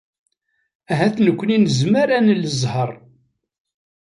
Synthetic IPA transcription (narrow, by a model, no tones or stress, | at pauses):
æɦæθnəkʷːninəzməɾænələzˤhəɾˤ